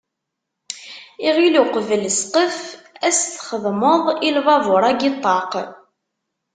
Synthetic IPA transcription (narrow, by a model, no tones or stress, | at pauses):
iʁiluqəvəlsqəfæsθχəðˤməðˤilvɑvʊɾˤæɡit̪ˤːɑq